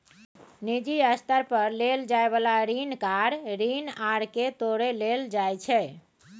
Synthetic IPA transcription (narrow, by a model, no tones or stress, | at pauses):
nid͡ʒiəst̪əɾpəɾleld͡ʒaebalaɾinkaɾɾinaɽket̪oɽeleld͡ʒajt͡ʃʰɛ